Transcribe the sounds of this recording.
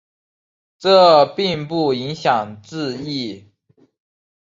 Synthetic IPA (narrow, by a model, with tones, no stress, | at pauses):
ʈ͡ʂɤ˥˧pi˥˧ŋpu˥˩i˧˥ŋɕjɑ˨˩ŋʈ͡ʂɹ̩˥˧i˥˩